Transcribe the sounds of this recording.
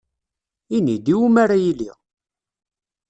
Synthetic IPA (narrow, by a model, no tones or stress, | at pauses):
inid̪iwumaɾajilḭ